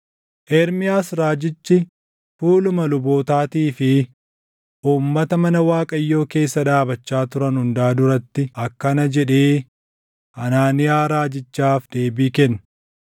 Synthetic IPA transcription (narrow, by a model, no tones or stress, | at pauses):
ʔɛɾmɪjaːsɾaːd͡ʒɪt͡ʃːɪ | fuːlʊmɐlʊbo̞ːt̪aːt̪iːfɪ | ʔuːmːɐt̪ɐmɐnɐwaːkʼɐjːo̞ːke̞ːsːɐᶑaːbɐt͡ʃːaːt̪ʊɾɐnhʊnd̪aːd̪ʊɾɐt̪ːɪɐkːɐnɐd͡ʒɛᶑe̞ː | ʔɐnaːnɪjaːɾaːd͡ʒɪt͡ʃːaːfd̪̥e̞ːbiːkɛn